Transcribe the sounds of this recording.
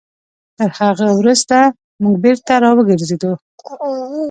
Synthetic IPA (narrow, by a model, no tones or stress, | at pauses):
t̪əɾhaɣəwɾuzt̪a | muɡ̚beɾt̪aɾɑwəɡəɾzed̪u